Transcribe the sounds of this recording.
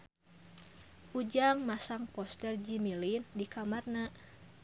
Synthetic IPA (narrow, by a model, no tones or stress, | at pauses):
ʔud͡ʒaŋmasaŋpɔst̪ɛrd͡ʒimilindikamarnaʔ